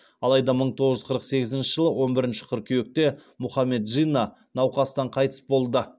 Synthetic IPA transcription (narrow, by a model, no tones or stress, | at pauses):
ɑlˠɑjd̪ɑməɴt̪ʰo̞ʁəʒʏzqʰəɾəqse̞ɡʲɪzɪnʃɪʒəlˠəwo̞nbɪɾɪnʃɪ̥qʰʊɾkʲʰʏjek̚t̪e̞ | mʊχɑmːe̞t̪ʒijnɑ | nɑwqɑst̪ɑɴqʰɑjt̪ə̥sbo̞lˠd̪ə